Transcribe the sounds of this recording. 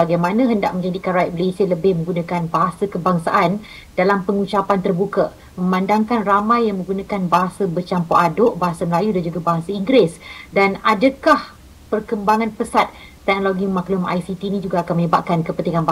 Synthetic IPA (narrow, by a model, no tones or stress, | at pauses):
baɡajmãnãɦəndaʔ̚mə̃ɲd͡ʒadikaɾaiʔ̚məlesiələbɪhmə̃ŋɡunãkanbaɦasəkəbaŋsa̰ʔan | d̥alampəŋut͡ʃapant̪ərbukə | məmandaŋkanramãjːaŋmə̃ŋɡunãkanbaɦasəbərt͡ʃampoʔadoʔbaɦasaməlajudand͡ʒuɡabaɦasaiŋɡɾɪsdanadəkah | pərkəmbaŋãnpəsat̪̚ː | ɛk̚noloɡimãklʊma̰jsit̪inĩd͡ʒuɡaːkanməɲəbap̚kankəpənt̪iŋanba